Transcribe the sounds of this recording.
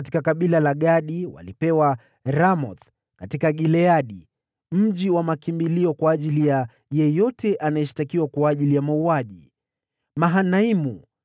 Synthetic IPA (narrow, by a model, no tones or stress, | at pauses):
t̬i̥kakaɓilalaɠaɗiwa̰lipɛwa | ɾamɔθ | katikaɠilɛaɗi | m̩ʄiwamakimbiliɔkwaːʄilija | jɛjɔtɛʔanajɛʃi̥takiwakwaːʄilijamauaʄi | maɦanaimu